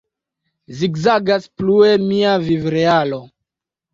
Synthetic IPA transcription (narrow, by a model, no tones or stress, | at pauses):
ziɡzaɡasplue̞miavivɾealo̞